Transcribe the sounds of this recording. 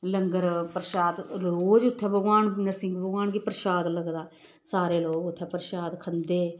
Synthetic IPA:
ləŋɡəɾpəɾʃaːd̪ɾoːd͡ʒʊt̪ʰːɛːbəɡwaːnnəɾsɪ̃ŋɡbəɡaːnɡiːpəɾʃaːd̪ləɡd̪aː | saːɾeːloːɡʊt̪ʰːɛːpəɾʃaːd̪kʰənd̪eː

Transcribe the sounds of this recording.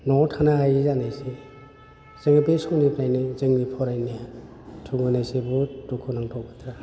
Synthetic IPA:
nɔtʰanaɦajizanajsi | z̥ɯŋabesɔwnipɾajnizɯŋnipʰɔɾajni | tʰuŋɡɯnajsibutukʰunaŋtʰɔwbatʰɾa

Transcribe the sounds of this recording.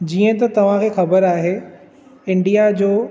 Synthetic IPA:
d͡ʑiːə̃t̪ɐt̪ɐʋ̤ãkʰeːxɐbəɾaːɦe | ɪ̃ɳɖijad͡ʑoː

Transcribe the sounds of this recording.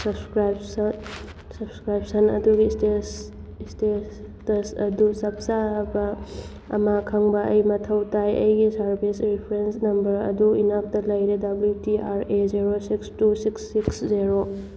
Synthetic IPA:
sɐbskɾajbs | sɐbskɾajp̚sɐnɐ̰duɡisteiste | tɐsɐ̰dusɐp̚sabɐ | ɐ̰makʰɐŋbɐʔɐjmɐtʰɐwtajɐjɡisɐɾbʱisɾipʰɐɾensnɐmbɐɾɐ̰duinap̚tɐlɐjɾedɐbljutiʔaɾeziɾosikstusiksːiksziɾo

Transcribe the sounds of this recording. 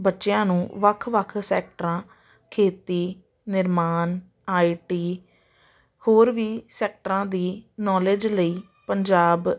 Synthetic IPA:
bətːʃɪjãːnũːʋəkʰʋəkʰsɛːk̚ʈɾãː | kʰeːt̪iː | nɪɾmaːn | aːiːʈiː | hoːɾʋiːsɛːk̚ʈəɾãːd̪iːnɔːled͡ʒləiː | pəɲd͡ʒaːb

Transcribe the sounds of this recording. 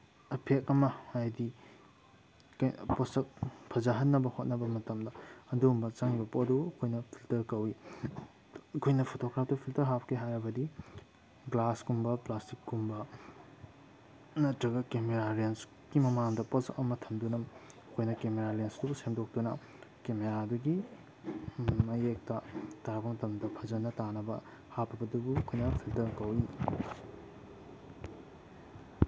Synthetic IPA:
ɐpʰekɐmɐajdi | kjposɐk̚pʰɐzaɦɐt̚nːɐbɐhot̚nɐbɐmɐtɐmdɐɐduumbɐt͡ʃaŋibɐpoduɐkʰojnɐpʰiltɐɾkɐwi | ɐkʰojnɐpʰotokɾap̚ʰtɐpʰiltɐɾɦapkʰeɦajɾɐbɐdi | ɡlaskumbɐplastikːumbɐ | nɐtɾɐɡɐkemeɾaɾens | kimɐmaŋŋdɐpɐsɐmɐtʰɐmdunɐmkojnɐkemeɾalensdubusemdok̚tunɐ | kemeɾaduɡi | mɐjek̚tɐtaɾɐbɐmɐtɐmdɐpʰɐzɐnɐtanɐbɐ̰ | hapʰːɐbɐdubukʰojnɐpʰiltɐɾkɐwi

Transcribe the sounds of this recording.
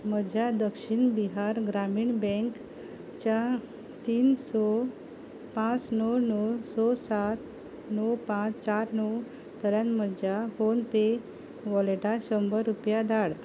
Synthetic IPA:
m̤əd͡ʑʱjad̪əkɕiɳbiɦaɾɡɾamiːɳbɛ̃ŋk | t͡ɕa | t̪iːnsɔ | pãt͡snɔwnɔwsɔsat̪ | nɔwpãt͡st͡ɕaɾnəw | t̪əɾjãnməd͡ʑjafonpe | ʋɔleʈaɕəmbəɾːupjad̪ʱaɽ

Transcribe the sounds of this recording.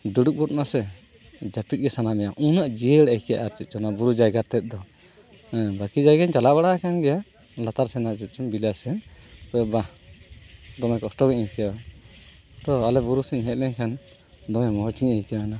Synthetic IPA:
duɽuk̚but̪̚nasɛ | d͡ʒapic̚ɡɛsanamɛjaʔũnaʔd͡ʒijəɽajkɛja̰ʔaɾt͡ʃit̪̚ˀt͡ʃɔnabuɾud͡ʒajɡaɾt̪ɛt̪̚ˀd̪ɔ | bakid͡ʒajɡand͡ʒalabaɽaʔakʰanɡɛja | lat̪aɾsɛnaʔt͡ʃɛt̪̚t͡ʃumbilasɛnpɔɔba | d̪ɔmɛkɔsʈɔɡɛʔiɲkɛja | t̪ɔalɛbuɾusɛɲɦɛt̪̚lɛɲkʰan | d̪ɔmɛmɔɦɔt͡ʃiɲajkana

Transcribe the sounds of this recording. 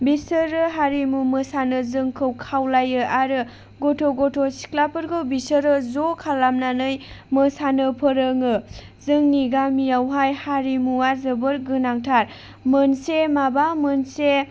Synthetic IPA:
bisɯɾɯɦaɾimumɯsanɯzɯŋkʰɯwkʰawlajɯʔaɾɯ | ɡotʰoɡotʰosi̥klapʰɯɾɡɯwbisəɾɯzokʰalamnanɯjmɯsanɯpʰɯɾɯŋɯzɯŋniɡamijawɦajhaɾimuazɯbɯɾɡɯnaŋtʰaɾ | mɯnsemabamɯnse

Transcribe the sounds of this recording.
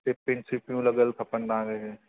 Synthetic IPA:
t̪epɾɪ̃nsɪpijõlɐɡəlkʰɐpənd̪aːɾeɦɛː

